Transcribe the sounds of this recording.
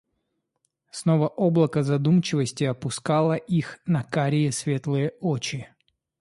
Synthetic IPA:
snovəʔoblˠəkəzɐd̪umt͡ɕɪvəsʲtʲɪɐpʊskalˠəʔixnɐkaɾʲɪjɪsvʲe̞t̪lˠɨjəot͡ɕɪ

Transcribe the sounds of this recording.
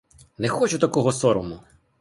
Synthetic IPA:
nɛxɔt͡ʃʊt̪ɐkɔɦɔsɔɾɔmʊ

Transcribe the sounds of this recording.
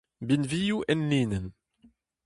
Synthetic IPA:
binvijuʔænːinən

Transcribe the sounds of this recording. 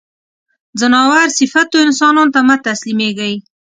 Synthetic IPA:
zanɑwaɾsɪfat̪oɪnsɑnɑnot̪amat̪aslimeɡaj

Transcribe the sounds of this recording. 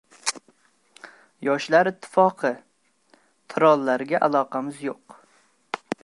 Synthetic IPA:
jɒʃlaɾɪt̪ʰːɪ̥fɒqʰɨ | t̪ʰɪɾɒlˠːaɾɡʲaʔalˠɒqʰɑmɪzjoq

